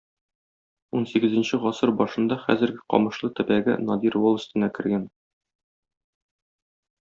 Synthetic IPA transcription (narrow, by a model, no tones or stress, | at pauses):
unsiɡɘ̆zɘ̆nɕɘʁɒsɤɾbɒʃɤ̆nd̪ɑχæ̰zɘ̆ɾɡɘqɒ̰mɤ̆ʃlˠɤt̪ɘ̆bæɡɘ̰nɒd̪iɾwolˠɤ̆st̪ɘ̆nɑkɘ̆ɾɡæn